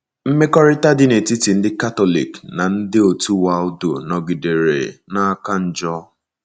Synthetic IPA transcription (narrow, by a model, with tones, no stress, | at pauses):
m̩˦me˦kɔ˦ɾɪ˦ta˦dɪ˦ne˨ti˦ti˨n̩˦dɪ˦ka˦tɔ˦lḭ˨kna˨n̩˦dɪ˦o˨tu˦wa˨o˦do̰˨nɔ˨ɡi˨de˨ɾḛ˨na˦a˦ka˦n̩˦d͡ʒɔ˦